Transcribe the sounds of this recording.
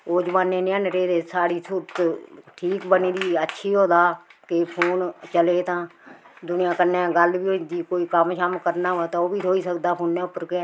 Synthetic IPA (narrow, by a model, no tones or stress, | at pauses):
oːd͡ʒəʋaːnːeːnə̃nɾeːd̪eːsaːɽiːsuːɾt̪ʈʰiːkbəniːd̪iːətːʃʰiːɦoːd̪aːkepʰoːnt͡ʃəleːt̪ãː | d̪ʊnɪjãːkənːɛ̃ːɡəlbiːoɪ̃nd̪iːkoːiːkəmʃəmkəɾnaːaːt̪ãːoːbiːt̪oːiːsəkd̪aːpʰoːnːɛ̃ːʊpːəɾkeː